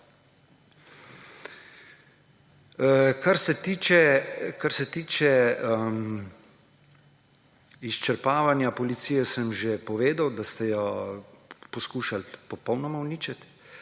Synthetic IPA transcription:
kaɾsɛt̪iːt͡ʃɛkaɾsɛt̪iːt͡ʃɛm | ist͡ʃɛɾpaːʋanjapɔlit̪siːjɛsəmʒepɔʋeːd̪awd̪ast̪ɛjɔ | pɔskuːʃalpɔpɔwnɔmawniːt͡ʃat̪

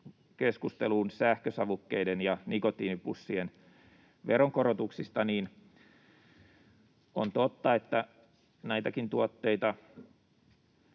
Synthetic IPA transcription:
keskust̪eluːnsæhkøsɑʋukːeidenjɑnikot̪ːiːipusːien | ʋeɾoŋkoɾot̪uksist̪ɑniːn | o̰nt̪ot̪ːɑet̪ːæ | næit̪ækint̪uot̪ːeit̪ɑ

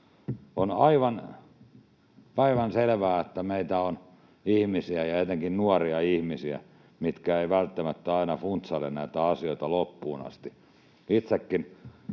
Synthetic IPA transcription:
onɑiʋɑn | ɑiʋɑnselʋæːet̪ːæmeit̪æon | ihmisiæjɑet̪eŋkinnuɑriɑihmisiæ̰ | mit̪kæeiʋælt̪ːæmæt̪ːæɑinɑfunt̪sɑlːḛnnæit̪æɑsioit̪ɑlopːuːnɑ̰st̪i | it̪sekːin

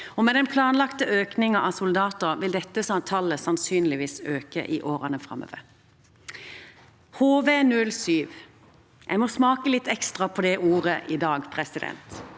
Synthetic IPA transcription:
ɔmɛd̪ɛnpʰlɑːnlɑkt̪əʔøːknɪŋɑʔɑsʊld̪ɑːt̪əʁʋɪld̪ɛt̪ːəsɑnt̪ʰɑlːəsɑnsyːnlɪʋiːsøːkə̰ʔɪʔoːʁɑnəfʁɑ̰mø̰ːʋə̰ʁ | hoːʋeːnʉlsyːʋ | ʔæ̰ɪmɔsmɑːkəlɪt̪ːɛkst̪ʁɑpʰɔd̪ɛʔuːʁəʔɪd̪ɑːɡpʰɾɛsɪd̪ɛ̰nt̪

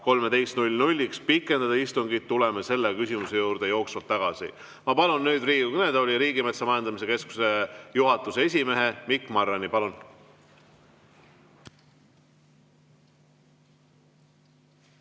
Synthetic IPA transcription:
ko̞lme̞d̪e̞jst̪nulʲnulʲːikspikːˑe̞nd̪ɑd̪ɑist̪uŋɡid̪̚t̪ːulemese̞lːekysʲimuse̞juːɾd̪̥e̞jo̞ːksvɑt̪t̪ːɑɡ̥ɑsḭ | mɑpɑlunːyːd̪̥riːɡukne̞d̪eolʲiɾiːɡimet̪sɑmɑjend̪ɑmis̬e̞ke̞sku̥se̞juɦɑt̪ːˑusee̞s̬ʲime̞ɦe̞mikːˑmɑrːenipɑlun

